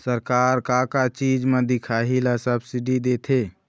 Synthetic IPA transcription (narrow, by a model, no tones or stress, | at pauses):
səɾkaːɾkaɾkat͡ʃiːd͡ʒmẽd̪ɪkʰaɦilasəbsiɖid̪et̪ʰe